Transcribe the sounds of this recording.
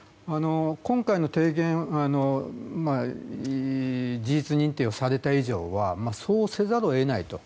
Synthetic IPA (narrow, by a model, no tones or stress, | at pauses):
ano̞kõ̞ŋkaino̞t̪e̞ːɡẽ̞ɰ̃ano̞ma | d͡ʑiit͡sɨɲ̟ĩnt̪e̞ːo̞saɾe̞t̪aiʑo̞̰ːβamaso̞ːse̞zaɾo̞e̞nait̪o̞̰